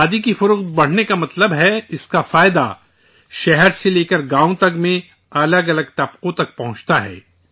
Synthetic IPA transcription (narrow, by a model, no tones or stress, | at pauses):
aːd̪ikifʊɾʊqt̪̚bɐɽ̤nekamɐt̪ləbɦɛɪskafaːɪd̪a̰ | ʃɛɦɛɾseleːkəɾɡãːõt̪ɐkmẽ | ɐləɡɐləɡt̪ɐbqõt̪ɐk̚pɐɦʊ̃t͡ʃt̪aɦɛ̰ː